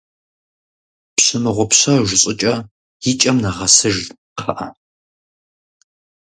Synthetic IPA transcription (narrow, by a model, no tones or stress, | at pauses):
pɕɨmɨʁʷɔpɕɐʒʷɪɕʼɪt͡ʃʼɐ | jɪt͡ʃʼɐmnaʁɐsɨʒ | qʰɐʔɐ